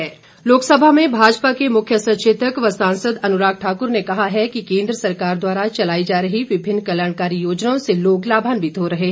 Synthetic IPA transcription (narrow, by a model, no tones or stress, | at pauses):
ɛː | loːksəbʱamẽbʱaːd͡ʒpakemʊkʰjəsɐ̃t͡ʃeːt̪əkʋɐsãːnsəd̪ɐnʊɾaːk̚ʈʰaːkʊɾnekɐɦaɦɛkikẽːnd̪ɾəsɐɾkaːɾd̪waːɾat͡ʃɐlaːid͡ʒaːɾəɦiʋɪbʱɪnːkɐljaːɳ̃kaːɾijoːd͡ʒnaõseloːɡlaːbʱaːnbʱid̪ʱoːɾɐɦeɦ